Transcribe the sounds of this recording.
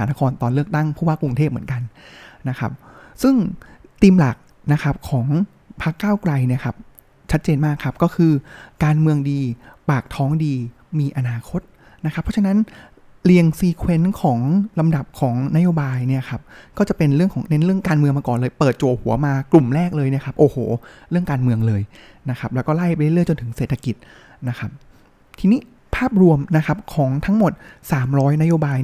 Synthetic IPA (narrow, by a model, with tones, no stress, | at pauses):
aː˨˩˦na˦˥kʰɔː˧nt̪ɔː˧nlɯ˥˩ək̚t̪a˥˩ŋpʰuː˥˩waː˥˩kɾu˧ŋt̪ʰeː˥˩p̚m˩˦ə˦nka˧nna˦˥kʰa˦˥p̚sɯ˥˩ŋt̪iː˧mla˨˩k̚ | na˦˥kʰa˦˥p̚kʰɔː˩˦ŋ | pʰa˦˥kːaː˥˩wkla˧jni˥˩ɐkʰa˦˥p̚ | t͡ɕʰa˦˥t̪̚t͡ɕeː˧nmaː˥˩kʰːa˦˥p̚kɔː˥˩kʰɯː˧kaː˧nmɯ˧əŋdiː˧paː˨˩k̚t̪ʰɔː˦˥ŋdiː˧ | miː˧ʔa˧naː˧kʰo˦˥t̪̚ | na˦˥kʰa˦˥pʰːɔ˥t͡ɕʰna˦˥n | li˧əŋsiː˧kʰwe˦˥nkʰɔː˩˦ŋla˧mda˨˩p̚kʰɔː˩˦ŋna˦˥joː˧baː˧jni˥˩ɐkʰa˦˥p̚kɔː˥˩t͡ɕa˨˩pe˧nɾɯ˥˩əŋkʰɔː˩˦ŋne˦˥nɾɯ˥˩əŋkaː˧nmɯ˧əŋma˧kɔː˨˩nlɤː˧jpɤː˨˩t̪̚t͡ɕo˨˧˩hu˩˦ɐmaː˧klu˨˩mɾɛː˥˩k̚lɤː˧jni˥˩ɐkʰa˦˥p̚ʔoː˨˩hoː˩ɾɯ˥˩əŋkaː˧nmɯ˧əŋlɤː˧j | na˦˥xʰa˦˥p̚lɛ˦˥kɔː˥˩la˥˩jpa˧jda˥˩lɯ˥˩əjt͡ɕo˧nt̪ʰɯ˩˦ŋseː˨˩t̪ʰa˧ki˨˩t̪̚ | na˦˥kʰa˦˥p̚ | t̪ʰiː˧niː˦˥˩ | pʰaː˥˩p̚ɾu˧əmna˦˥kʰa˦˥p̚kʰɔː˩˦ŋt̪ʰa˦˥ŋmo˨˩t̪̚saː˩˦mɾɔː˦˥jna˦˥joː˧baː˧j